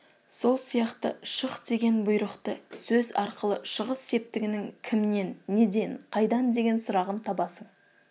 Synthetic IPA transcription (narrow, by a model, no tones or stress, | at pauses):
so̞lˠsijɑqt̪ə̰ʃəqd̪e̞ɡʲe̞nbʊjɾəqt̪əsɵzɑɾqəlˠəʃəʁəsːe̞p̚t̪ɪɡʲɪnɪŋkʲʰɪmne̞nːe̞d̪e̞ɴqʰɑjd̪ɑnd̪e̞ɡʲe̞nsʊɾɑʁənt̪ʰɑbɑsəɴ